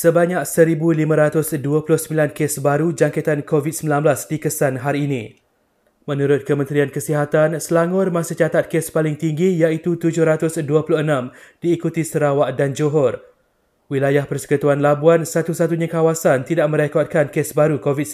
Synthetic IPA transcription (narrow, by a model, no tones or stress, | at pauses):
səbaɲãk̚səɾibulimãɾat̪ʊsduapulʊhsəmbilankesbaɾud͡ʒaŋkɛt̪ankovit̪̚səmbilanblasdikəsanɦaɾiːnĩ | mə̃nũɾʊt̪̚kəmə̃nt̪ɾiankəsiɦat̪ansəlaŋʊrmãsit͡ʃat̪at̪̚kespalɪŋt̪iŋɡijait̪ut̪ud͡ʒʊhɾat̪ʊsduapulʊhənãmdiːkut̪isəɾawaʔdand͡ʒoɦɔr | wilajahpərsə̥kut̪uanlabuansat̪usat̪uɲãkawasant̪idaʔmə̃ɾekɔt̪̚kankesbaɾukovit̪̚